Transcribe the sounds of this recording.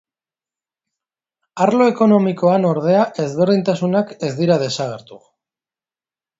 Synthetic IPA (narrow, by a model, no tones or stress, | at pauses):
aɾlo̞e̞ko̞no̞miko̞ano̞ɾð̞e̞aʔe̞zβe̞ɾðint̪asunake̞zd̪iɾað̞e̞saɣ̞e̞ɾt̪u